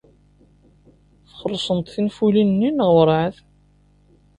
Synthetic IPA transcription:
θχəɾˤːsˤənt̪ˤθinfulinnːinəʁwɾˤʕəθ

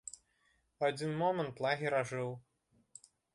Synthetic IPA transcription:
ad͡zʲinmɔmɛ̃nt̪lˠaɣʲiɾaʐɨw

